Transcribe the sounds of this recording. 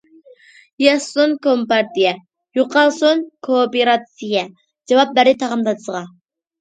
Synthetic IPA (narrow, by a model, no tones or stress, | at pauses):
jɑsunkʰompɑɾt̪ijɛ | joqʰɑlˠsunkʰopeɾɑt̪sijɛ | d͡ʒɑwɑp̚bæɾɪt̪ʰɑʁɑmd̪ɑd̪ɨsəʁɑ